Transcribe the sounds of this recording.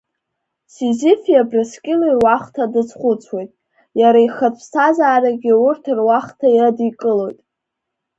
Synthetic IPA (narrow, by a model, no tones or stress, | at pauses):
sizɪfjabraskʲʼɪloirwaχtʰadɨt͡sʰχʷʊt͡sʷʰwe̞jtʼ | jaɾaiχat͡sʷʰsʰazaːɾaɡʲɪʊrtʰɨrwaχtʰajadikʼɨlo̞jtʼ